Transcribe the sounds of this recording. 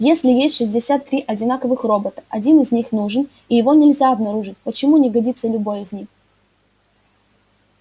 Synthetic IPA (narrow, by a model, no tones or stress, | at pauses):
jesʲlʲɪjesʲtʲʂɨzʲdʲɪsʲat̪ːɾʲiʔɐdʲɪnakəvɨxro̞bət̪ə̥ɐdʲinɨzʲnʲixnuʐɨn | ijɪvo̞nʲɪlʲzʲaɐbnɐɾuʐɨt̚ʲpət͡ɕɪmunʲɪɡɐdʲit̪səlʲʊbo̞jɪzʲnʲix